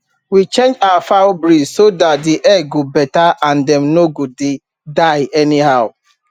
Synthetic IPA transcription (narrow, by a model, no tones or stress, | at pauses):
wit͡ʃẽnd͡ʒaafabɾizsodat̚diʔɛɡobɛtaãndɛ̃mnoɡude | daɪɛniɦaʊ